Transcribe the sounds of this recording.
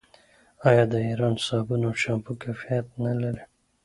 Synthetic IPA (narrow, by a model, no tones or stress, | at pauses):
ɑjɑd̪əiɾɑnsɑbunoʃampukafijat̪̚nalaɾi